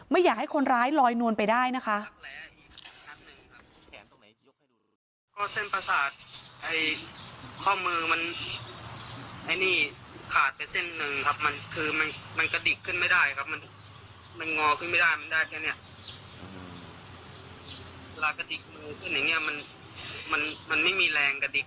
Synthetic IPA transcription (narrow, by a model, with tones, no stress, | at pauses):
ma˥˩jːaː˨˩k̚ha˥˩jkʰo˧nɾaː˦˥jlɔː˧jnu˧ənpa˧jdaː˥˩jna˦˥kʰa˦˥ʔ̚lɛː˨˦ʔiː˨˩k̚a˨˧˩na˦˥t̪̚nɯ˨˩ŋkʰa˦˥˩p̚ | kɔː˥˩se˥˩npa˧saː˨˩t̪̚ʔa˧j | kʰɔː˥˩mɯː˧ma˧n | ʔa˧jniː˥˩kʰaː˨˩t̪̚pa˧jse˧˥˩nːɯ˨˩ŋkʰa˦˥p̚ma˧nkʰɯː˧ma˧nma˧nka˧di˨˩kʰːɯ˧˥˨nma˥˩jdaː˥˩jkʰa˦˧p̚ma˧n | ma˧˨nŋɔː˧kʰɯ˥˩˨nma˥˩jdaː˥˩jma˧ndaː˥˩jkʰa˧˩ni˧˩ɐʔ | laː˧˩ka˧di˨˩k̚mɯː˧kʰɯ˧˥˩nja˨˩ŋni˧˥˩ɐma˧n | ma˧nma˧nma˥˩jmiː˧lɛː˧ŋka˧˩di˨˩k̚